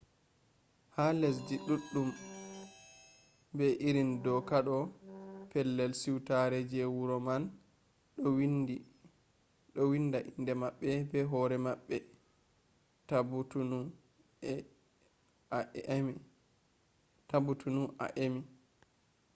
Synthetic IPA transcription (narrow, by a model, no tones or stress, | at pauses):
hales̬diɗuɗːum | bɛʔiɾindɔkaɗɔpʰɛlːɛlsiwtaɾɛd͡ʒɛwuɾɔman | ɗɔwindi | ɗɔwindaʔindɛmaɓːɛbɛɦɔɾɛmaɓːɛ | tabutuu | m | tabutʰunuʔa̰ʔemi